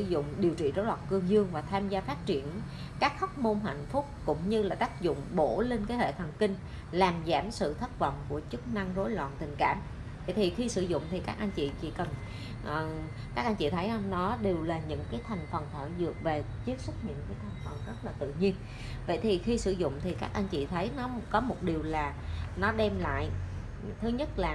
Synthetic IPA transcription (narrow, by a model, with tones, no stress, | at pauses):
ɨ˧˩zʊ̰˧˨ŋ͡mɗi˨˩əwt͡ɕḭ˧˨zo˨˦jlwa̰ː˧˨nkɨ˧əŋzɨ˧əŋvaː˨˩t̪ʰaː˧mzaː˧faː˦˥t̚t͡ɕi˧˩ən | kaː˦˥k̚xɔ˦˥k͡p̚mo˧nɦa̰˧˨jŋ̟fʊ˦˥k͡p̚kʊ̰˧˥ŋ͡mɲɨ˧laː˨˩t̪aː˦˥k̚zʊ̰˧˨ŋ͡mɓo˧˩le˧nkaː˨˦jhḛ˧˨t̪ʰə˨˩ŋkï˧ŋ̟ | laː˨˩mzaː˧˩msɨ̰˧˨t̪ʰə˦˥t̚və̰˧˨wŋ͡mku˧˩ət͡ɕɨ˦˥k̚na˧ŋzo˨˦jlwa̰ː˧˨nt̪ï˨˩ŋ̟kaː˧˩m | və̰˧˨jt̪ʰi˨˩xi˧sɨ̰˧˩zʊ̰˧˨ŋ͡mt̪ʰi˨˩kaː˦˥k̚ʔa˧nt͡ɕḭ˧˨t͡ɕḭ˧˩˥kə˨˩n | ʔː | kaː˦˥k̚ʔa˧nt͡ɕḭ˧˨t̪ʰə˨˦jha˧nɔ˨˦ɗe˨˩wlaː˨˩ɲɨ̰˧˥ŋkaː˨˦jt̪ʰa˨˩jŋ̟fə˨˩nt̪ʰəː˧˩zɨ˨˩ək̚ve˨˩ | t͡ɕi˦˥ək̚sɨ˦˥t̚ɲɨ̰˧˥ŋkaː˨˦jt̪ʰa˨˩jŋ̟fə˨˩nzə˦˥t̚laː˨˩t̪ɨ̰˧˨ɲi˧ən | və̰˧˨jt̪ʰi˨˩xi˧sɨ˧˥zʊ̰˧˨ŋ͡mt̪ʰi˨˩kaː˦˥k̚ʔa˧nt͡ɕḭ˧˨t̪ʰə˨˦jnɔ˨˦kɔ˨˦mo˨˩t̚ɗi˨˩əwlaː˨˩nɔ˨˦ɗɛ˧mla̰ː˧˨j | t̪ʰɨ˨˦ɲə˦˥t̚laː˨˩